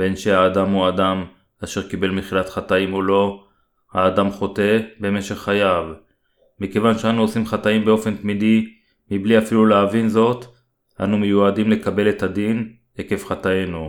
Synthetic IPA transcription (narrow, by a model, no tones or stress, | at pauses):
be̞nʃeaːdamuadam | aʃe̞ʁkibe̞lmeχilat̪χat̪aimolo̞ | haːd̪amχo̞te̞be̞me̞ʃe̞χːajav | mike̞vanʃeanuosimχataimbeo̞fe̞nt̪mid̪i | mibliafiluleavinzo̞t | ʔa̰numejuadimle̞kabe̞le̞t̪ad̪in | eke̞fχat̪aje̞nu